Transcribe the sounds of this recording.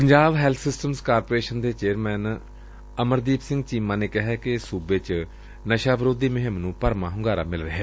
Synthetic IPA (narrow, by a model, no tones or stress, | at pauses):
pəɲd͡ʒaːʋɦɛːlt̪ʰsɪsʈəmskaːɾpoːɾeːʃənd̪eːt͡ʃeːɾmɛːn | əməɾd̪iːpsɪ̃ŋɡt͡ʃiːmãːneːkɪɦɛːkɪsuːbeːt͡ʃ | nəʃaːʋɾoːd̪iːməɦəmnũːpəɾmãːɦʊŋɡaːɾa̰ːmɪlɾəɦɛː